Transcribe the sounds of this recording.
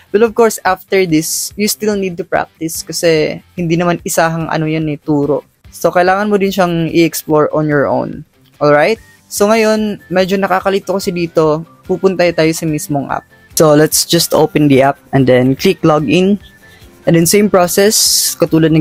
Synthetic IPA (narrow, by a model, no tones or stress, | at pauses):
bɐlɔvkoɹsaft̪ɛɹd̪ɪsjust̪ilnid̪̚t̪ʊpɹa̰k̚t̪ɪskɐsɛhɪnd̪inɐmanɪsaːɦɐŋʔɐ̰nojonɪt̪uːɾo̞̰ʔ | sokɐʔlaːŋɐnmod̪ɪnʃaŋʔɪ̰ʔɛksploɹʔonjɔɹʔo̰wn | ʔolɹajt̪̚ | soŋɐjo̞nmɛd͡ʒonɐkaːkɐlit̪ːokɐsɪd̪iːt̪o̞pupʊnt̪ɐjot̪aːjosɐmismoŋʔa̰p̚ | solɛt̪sd͡ʒɐst̪ʔo̰wpɛnd̪iʔap̚ɛ̃nd̪ɛnkliklɔɡɪ̃n | ʔɛnd̪ɛnsẽjmpɹosɛskɐt̪uːlɐd̪nɐ